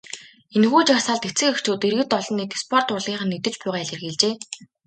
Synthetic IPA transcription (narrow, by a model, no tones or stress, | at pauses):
enxuːt͡ɕarsaːɮt̪et͡sɘ̆kɵkt͡ɕoːt̪erɣɘ̆t̪ɔɮɞ̆nːiːt̪espʰɔr̥t̪ʊɮiːχə̆nːit̪ɘ̆t͡ɕpʊjʁaːɮĕrɣeːɮt͡ɕeː